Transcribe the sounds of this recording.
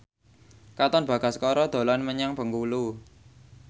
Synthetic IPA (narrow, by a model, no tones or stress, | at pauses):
kat̪ɔnb̥ä̤ɡ̥a̤skɔɾɔd̪̥o̤lanməɲaŋb̥əŋkulu